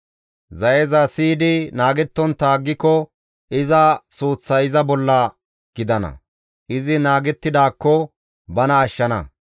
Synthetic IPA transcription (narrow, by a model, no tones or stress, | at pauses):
zɐjɛzɐsiːd̪ɪnaːɡɛt̪ːɔnt̪aːɡːɪkɔ | ʔɪzɐsuːt͡sːɐjɪzɐbɔlːɐ | ɡ̥ɪd̪ɐnɐ̰ | ʔɪzɪnaːɡɛt̪ːɪd̪aːkːɔ | bɐnɐːʃːɐnɐ̰